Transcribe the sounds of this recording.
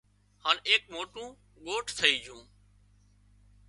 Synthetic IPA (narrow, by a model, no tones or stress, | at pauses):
haːneːk̚moːʈũː | ɠoːʈʰt̪ʰəiːd͡ʒũː